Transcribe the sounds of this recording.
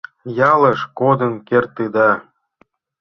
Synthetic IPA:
jɑləʃkod̪ənkert̪ɯd̪ɑ

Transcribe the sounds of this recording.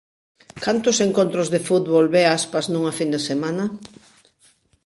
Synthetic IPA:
kant̪ʊseŋkont̪ɾʊzðefut̪βolβeaspaznũŋɐfind̪esemanɐ

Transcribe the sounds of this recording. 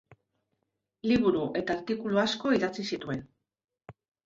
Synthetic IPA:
liβ̞uɾuʔe̞t̪aːɾt̪ikuluasko̞iðat͡sisit̪ue̞n

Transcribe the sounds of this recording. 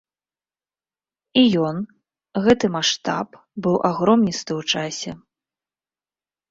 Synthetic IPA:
ijɔn | ɣɛt̪ɨmaʂt̪a̰p | bɨwʔaɣɾɔmnʲist̪ɨwt͡ʂasʲɛ

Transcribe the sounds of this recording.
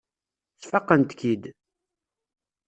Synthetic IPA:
θfɑqːənt̪kid̪

